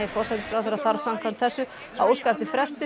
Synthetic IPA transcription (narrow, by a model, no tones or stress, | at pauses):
jɪfɔɾ̥sɛt̪sfɾawθɛɾaθaɾsam̥kʰvant̪θɛsːʏ | a̰woːwskajft̪ɪfɾɛst̪ɪ